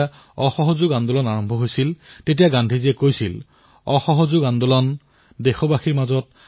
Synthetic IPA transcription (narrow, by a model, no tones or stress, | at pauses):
ɔxɔɦozuɡandulɔnaɹɔmbʱɔɦojsiltet̬ijaɡandʱiziɛkojsil | ɔxɔɦɔzuɡandulɔn | dexɔbaxiɹmazɔt̚